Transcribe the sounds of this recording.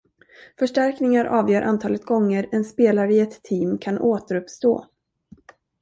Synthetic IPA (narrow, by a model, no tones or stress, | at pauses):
fœʂʈæɾknɪŋaɾʔɑːvjœːɾʔant̪ʰɑːlət̪̚ɡɔŋːəɾɛnspeːlaɾəɪɛt̪ʰːiːmkʰanʔoːt̪əɾɵpst̪o̰ː